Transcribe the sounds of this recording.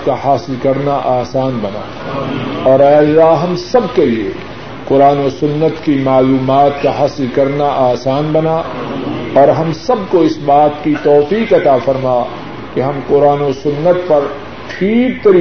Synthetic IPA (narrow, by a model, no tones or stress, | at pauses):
kaɦaːsɪlkɐɾnaʔaːsaːnbɐna̰ː | ɔːɾɛːɐlːaːɦɐmsɐbkeliḛ | qʊɾaːnosʊnːət̪kimaːluːmaːt̪kaɦaːsɪlkɐɾnaʔaːsaːnbɐna | ɔːɾɦɐmsɐb̚koɪsbaːt̪kit̪ɔːfiːkɐt̪afɐɾmaː | keɦɐmqʊɾaːnosʊnːət̪̚pɐɾ | xʰiːb̚t̪ɐɾiː